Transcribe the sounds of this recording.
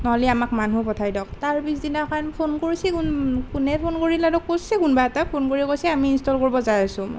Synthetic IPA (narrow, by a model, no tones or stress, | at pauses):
nɔɦɔliamakmanupɔtʰajdɔk̚taɹbisdinakʰanpʰonkoɹisɛkunkunɛpʰonkoɹiladɔkːo̥sɛkunbaɛtapʰonkoɹikojsɛamiːnstɔlkoɹibɔzajasʊ̃m